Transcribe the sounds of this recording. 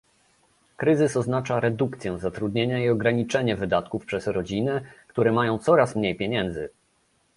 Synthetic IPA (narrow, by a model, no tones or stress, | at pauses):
kɾɘzɘsɔznat͡ʂaɾɛd̪ukt̪sʲjɛ̃zat̪ɾud̪ɲeɲaiɔɡɾaɲit͡ʂɛɲɛvɘd̪at̪kufpʂɛsɾɔd͡ʑinɛkt̪uɾɛmajɔ̃w̃t̪sɔɾasmɲejpʲjeɲɛnd̪zɘ